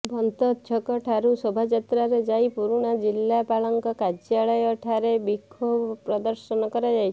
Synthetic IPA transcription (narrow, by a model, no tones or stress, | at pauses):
bʱɔnt̪ɔt̪t͡ʃʰɔkɔʈʰaɾusɔbʱad͡ʒat̪ɾaɾed͡ʒajpuɾuɽ̃ad͡ʒilːapaɭɔŋkɔkad͡ʒiaɭɔjɔʈʰaɾebikʰːobpɾɔd̪ɔɾsɔnɔkɔɾad͡ʒajt͡ʃʰ